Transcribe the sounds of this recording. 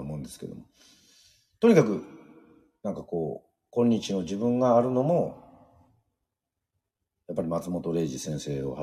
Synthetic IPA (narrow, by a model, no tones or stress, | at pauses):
mõ̞nd̪e̞sɨ̥ke̞̰d̪o̞̰mo | t̪o̞ɲ̟ikakɯ̟ | nãŋkako̞ː | kõ̞ɲ̟ːit͡ɕino̞ʑibɯ̟̃ŋɡaːɾɯ̟no̞mo̞ | japːaɾʲimat͡sɨmo̞t̪o̞ɾe̞ːʑisẽ̞ɰ̃se̞ːo̰ha